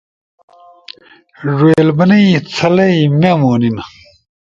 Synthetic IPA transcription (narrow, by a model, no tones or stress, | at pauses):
ʐweːlbɐnɐjt͡sʰɐlɐjmɐmoːninɐ